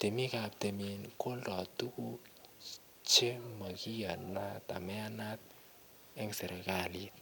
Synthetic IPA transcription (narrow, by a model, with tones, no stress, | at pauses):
te˨mi˦ka˨p̚t̪e˨mi˨nko˦ldɔ˨tu˦ku˦ | t͡ʃe˦ma˨ki˦ja˨na˦t̪a̰˨mɛ˦a˦na˦t̪̚ | ɛ˦ŋsɛ˨ɾɛ˨ka˨li˦t